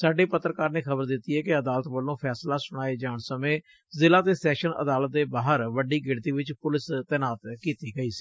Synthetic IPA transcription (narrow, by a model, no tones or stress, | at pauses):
saːɖeːpət̪ːɾəkaːɾneːkʰəbəɾd̪ɪt̪ːiːɦɛːkɪəd̪aːlət̪ʋəlːõːpʰɛːslaːsʊɽ̃aːeːd͡ʒaːɳsəmẽː | zɪlaːt̪eːsɛːʃənə̰d̪aːlət̪̚d̪eːbaːɦəɾʋəɖiːɡɪɽt̪iːʋɪt͡ʃpʊlɪst̪ɛːnaːt̪kiːt̪iːɡəiːsi̥ː